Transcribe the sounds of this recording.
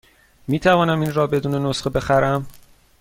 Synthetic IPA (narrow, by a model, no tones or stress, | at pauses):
miːt̪ʰævɒːnæminɾɒːbe̞d̪uːne̞no̞sxebe̞xæɾæm